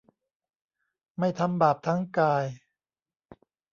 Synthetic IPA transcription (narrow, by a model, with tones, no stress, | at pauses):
ma˥˩jt̪ʰa˧mbaː˨˩p̚t̪ʰa˦˥ŋkaː˧j